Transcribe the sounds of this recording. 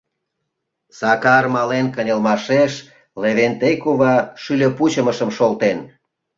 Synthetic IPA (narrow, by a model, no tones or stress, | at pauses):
sɑkɑrmɑlenkənʲəlmɑʃeʃ | leβent̪ejkuβɑʃylʲøput͡ɕə̆məʃə̆mʃolt̪en